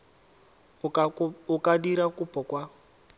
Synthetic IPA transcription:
ukadiɾakupɔkwa

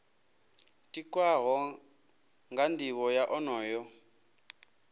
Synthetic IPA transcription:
tʼikʼwaɣɔ | ŋɡandʱiwɔjaʔɔnɔːjɔ

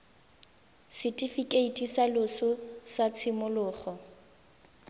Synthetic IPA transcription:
sɪtʼifikʼeitʼisalʊsʊsat͡sʰɪmʊlʊːχɔ

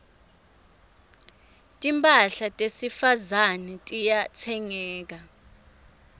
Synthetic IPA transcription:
tʼimpʼaɬatʼesifazanɛtʼijat͡sʰɛŋɛːk̬a

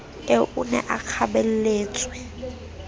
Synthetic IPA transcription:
eʔunɛ̰ʔak͡xʰabel̩leːt͡sʼwɛ

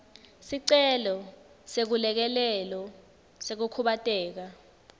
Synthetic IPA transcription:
siǀɛlɔ | sek̬ulɛk̬ɛlɛlɔ | sek̬ukʰuɓatʼɛːk̬a

